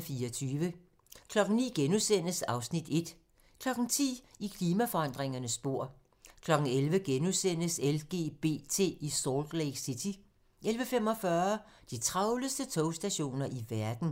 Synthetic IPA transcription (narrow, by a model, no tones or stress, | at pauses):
fiːɒt͡sʰyːʋə | kʰlɒ̽ɡ̥n̩nḭːɡ̥enusen̰əsɑ̈ʊsnid̥e̝d̥ | kʰlɒ̽ɡ̥n̩t͡sʰḭːikʰliːmæfɒ̽ɑ̈n̰d̥ʁeŋɐnəsːb̥o̝ɐ̰ | kʰlɒ̽ɡ̥n̩elʋəɡ̥enusen̰əselɡ̥e̝̰ːb̥e̝̰ːt͡sʰe̝̰ːisɒːld̥leɪɡ̥sit͡sʰi | elʋəfem̰ɒ̽fɶɐd̥it͡sʰʁɑ̈ʊləsd̥ət͡sʰɔʊsd̥æɕo̝̰ːnɐʔiʋæɐd̥n̩